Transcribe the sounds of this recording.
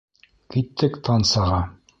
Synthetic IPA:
kit̪ʰːɘkt̪ʰɑnsɑʁɑ

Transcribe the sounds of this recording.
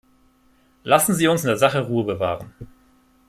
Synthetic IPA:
lasn̩ziːʊnsɪndeːɐzaχəʁuːəbəva̰ːʁən

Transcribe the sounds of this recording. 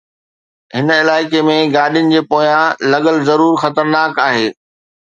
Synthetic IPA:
ɦɪnɪlaːɪkemẽɡaːɗijʊnɪ̆d͡ʑeːpoːjãlɐɠəlzɐɾuːɾxɐt̪əɾnaːkaːɦeː

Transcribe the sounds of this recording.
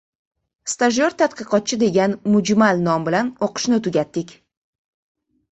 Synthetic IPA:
st̪aʒoɾt̪ʰːat̪qɨqʰɒt̪̚t͡ʃʰɪd̪e̞ɡʲanmʊd͡ʒmalnɒmbɪlanoqʰɨ̥ʃnɪt̪ʰʊɡʲat̪ːɪkʲ

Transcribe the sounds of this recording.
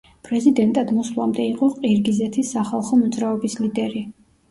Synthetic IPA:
pʼɾɛzid̪ɛnt̪ʼad̪mɔslˠamd̪ɛiqʼɔqʼiɾɡizɛt̪ʰisaχalˠχɔmɔd̪zɾaɔbislid̪ɛɾi

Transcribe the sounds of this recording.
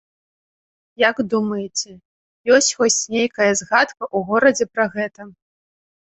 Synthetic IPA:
jaɡd̪umɐjɛt͡sʲɛ | jɔsʲt͡sʲxɔsʲt͡sʲnʲejkɐjɐzɣat̪kɐʔuɣɔɾɐd͡zʲɛpɾɐɣɛt̪ɐ

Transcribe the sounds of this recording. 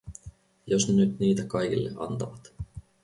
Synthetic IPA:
josnenyt̪niːt̪ækɑjkḭlːḛʔɑ̰nt̪ɑʋɑt̪

